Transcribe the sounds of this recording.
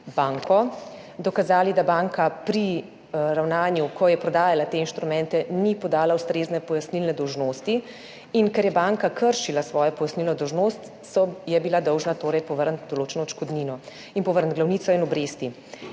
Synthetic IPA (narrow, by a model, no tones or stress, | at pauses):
baːŋkɔ | d̪ɔkazaːlid̪abaŋkapɾi | ɾawnaːnjukɔjɛpɾɔd̪aːjalat̪einʃt̪ɾumɛnt̪ɛnipɔd̪aːlaust̪ɾeːznɛpɔjasnilnɛd̪ɔwʒnoːst̪iː | nkɛɾjɛbaŋkakʰəɾʃilasʋɔːjɔpɔjasnilnɔd̪ɔwʒnost̪ | sɔjɛbilad̪ɔwʒnat̪oːɾɛjpɔʋəɾnt̪d̪oloːt͡ʃɛnɔt͡ʃkɔd̪niːnɔ | inpɔʋəɾnt̪ɡlawniːt̪sɔinɔbɾeːst̪i